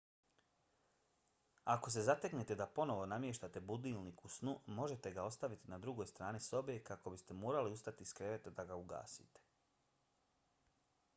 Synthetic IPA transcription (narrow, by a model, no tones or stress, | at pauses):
ako̞s̬e̞zat̪e̞knet̪e̞d̪apo̞no̞ʋo̞namje̞ʃt̪at̪e̞bud̪ilˠnikusnumo̞ʒe̞t̪e̞ɡao̞st̪aʋit̪inad̪ɾuɡo̞jst̪ɾaːniso̞bekako̞bist̪e̞moːɾaliust̪at̪iskɾe̞ʋe̞t̪d̪aɡauɡa̰ːsḭt̪e̥